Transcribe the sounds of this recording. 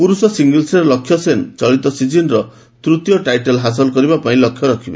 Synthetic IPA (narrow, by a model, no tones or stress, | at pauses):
puɾusɔsiŋɡilseɾɔlɔkʰːjɔsent͡ʃɔɭit̪ɔsid͡ʒinɾɔ | t̪ɾut̪jɔʈajʈelɦas̬ɔlɔkɔɾibapaĩlɔkʰjɔɾɔkʰiba̰